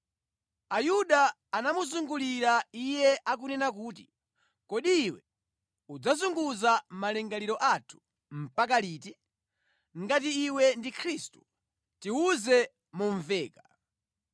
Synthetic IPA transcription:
ajuɗaː | namuzuŋɡuliɾaijɛʔak̬unɛnak̬uːt̬i̥ | kɔɗiːwɛ | ud͡zazuŋɡuzam̩malɛŋɡaliɾɔʔatʰu̥ | m̩pakaliːti | ŋɡat̬iːwɛndikʰɾistu̥ | tiuzɛ | muɱvɛːka

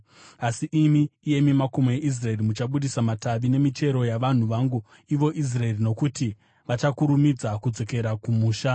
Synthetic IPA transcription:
asiʔimiːje̞mimako̞moeʔis̬rae̞rimut͡ʃaɓuɗisamataʋine̞mite̞ɾo̞jaʋan̤uʋaːŋɡu | iʋo̞ʔis̬rae̞rino̞kuti | ʋat͡ʃakuɾumid͡zakud͡zo̞ke̞ɾakumuːʃa

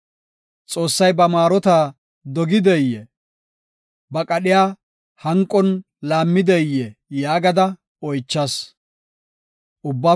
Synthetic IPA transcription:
t͡sʼo̞ːsːɐjbɐmaːɾɔt̪aː | d̪ɔɡɪd̪ɛjɛ | bɐkʼɐɗɪjaː | hɐŋkʼːɔn | laːmːɪd̪ɛjɛjaːɡɐd̪ɐ | ɔjt͡ʃːɐs | ʔʊbːaː

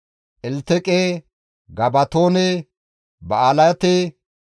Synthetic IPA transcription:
ʔɛlt̪ɛkʼeː | ɡɐbɐt̪oːne | bɐaːlɐt̪e

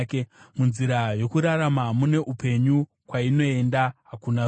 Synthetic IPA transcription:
kemunziɾajo̞kuɾaɾamamune̞ʔupe̞ɲu | kwaino̞e̞ndaɦakuna

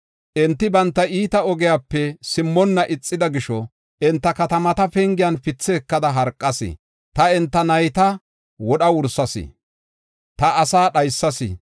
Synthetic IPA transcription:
ʔɛnt̪ːɪbɐnt̪ːɐʔiːt̪ɐɔɡɛjaːpːɛsɪmːɔnːɐʔɪt͡sʼːɪd̪ɐɡɪʃɔ | ʔɛnt̪ːɐkɐt̪ɐmɐt̪ɐfɛŋɡɪjɐnfɪt͡sːɛːkːɐd̪ɐɦɐɾkʼːɐsɪ̰ | t̪ɐɛnt̪ːɐnɐjt̪ɐ | wɔɗɐwʊɾsɐsɪ̰ | t̪ɐːsaːɗɐjsːɐsɪ̰

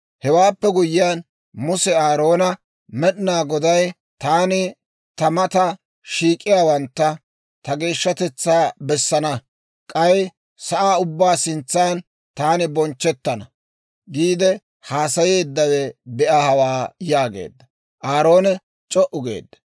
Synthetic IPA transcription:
hɛwaːpːɛɡʊjɪjaːn | mʊsɛaːɾo̞ːnɐ | mɛɗɪnaːɡɔd̪ɐj | t̪aːnɪ | t̪ɐmɐt̪ɐ | ʃiːkʼːɪjaːwɐnt̪ːɐ | t̪ɐɡe̞ːʃːɐt̪ɛt͡sːaːbɛsːɐnɐ | kʼɐj | sɐʔaːʊbːaːsɪnt͡sːaːn | t̪aːnɪbɔnt͡ʃːɛt̪ːɐnɐ | ɡiːd̪ɛ | haːsɐjeːd̪ːɐwɛbɛʔɐhɐwaːjaːɡḛːd̪ːɐ | ʔaːɾo̞ːnɛ | t͡ʃʼɔʔʊɡḛːd̪ːɐ̥

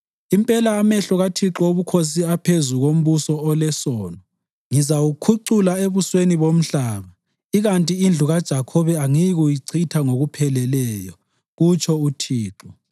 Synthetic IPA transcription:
impʼɛlaːmɛɬɔɣatʰiǁɔoβukʰos̬iapʰezuɣom̩βusɔɔlɛsɔːnɔ | ŋizawukʰuǀulaeβusweniβom̩ɬaːβa | iɣantʼiːnd͡ɮʱuɣad̥ʒ̥ʱakʰɔβɛaŋijɣujiǀʰitʰaŋoɣupʰɛlɛlɛːjɔ | ɣut͡ʃʰɔutʰiːǁɔ

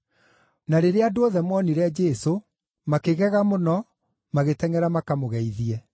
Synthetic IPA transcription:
naɾeɾeadooðɛmwɔniɾɛd͡ʒɛso | makeɣɛɣamonɔ | maɣetɛŋɛɾamakamoɣɛiðiɛ

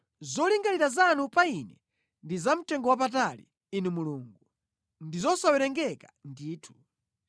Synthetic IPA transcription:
zɔliŋɡaniɾazanupainɛ | ndizam̩tɛŋɡɔwap̬at̬alḭ | inumuluŋɡu | ndizɔsawɛɾɛŋɡɛkḁndiːtʰu̥

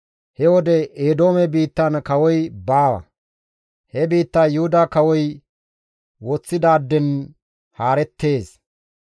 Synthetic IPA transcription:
hɛwɔd̪ɛeːd̪o̞ːmɛbiːt̪ːankɐwɔjbaːwɐ̰ | hɛbiːt̪ːaːjʊhʊd̪aːkɐwɔj | wɔt͡sːɪd̪aːd̪ːɛn | haːɾɛt̪ːe̞ːs

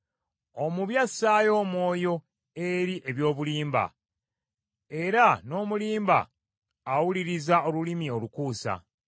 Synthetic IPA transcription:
o̞muβjasːajo̞ːmwo̞ːjo̞ | eɾiʔe̞βjo̞ːβuliːmba̰ | e̞ɾano̞ːmuliːmba̰ː | wuliɾizao̞lulimio̞lukuːsa̰

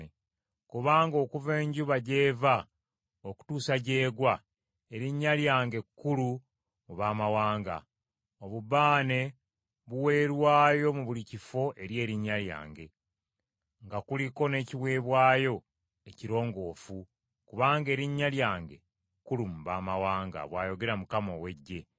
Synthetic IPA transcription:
kuβaːŋɡo̞ːkuve̞ːɲɟuβaɟe̞ːva | oku̥tuːsaɟe̞ːɡwa | e̞ɾiɲːaljaːŋɡe̞kːulu | muβaːmawaːŋɡa̰ | oβubaːne̞ | βuwe̞ːɾwaːjo̞muβulicifo̞ʔe̞ɾje̞ːɾiɲːalja̰ːŋɡe̞ | ŋɡakuliko̞ne̞ːciwe̞ːβwaːjo̞ | eciɾo̞ːŋɡo̞ːfu | kuβaːŋɡe̞ːɾiɲːaljaːŋɡe̞̰ | kːulumuβaːmawaːŋɡa̰βwaːjo̞ɡe̞ɾamukamo̞we̞ɟːe̞

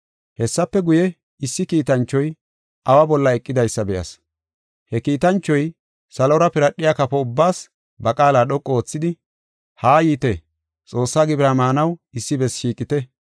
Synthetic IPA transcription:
hɛsːɐpːɛɡʊjɛ | ɪsːɪkiːt̪ɐnt͡ʃːɔj | ʔɐwɐbɔlːɐɛkʼːɪd̪ɐjsːɐbɛjɐ̰s | hɛkiːt̪ɐnt͡ʃːɔj | sɐlɔɾɐpɪɾɐɗːɪjakɐpɔʊbːaːs | bɐkʼaːlaːɗɔkʼːooːt͡sːɪd̪ɪ | haːjiːt̪ɛ | t͡sʼo̞ːsːaːɡɪbɾaːmaːnɐwɪsːɪbɛsʃiːkʼɪt̪ɛ

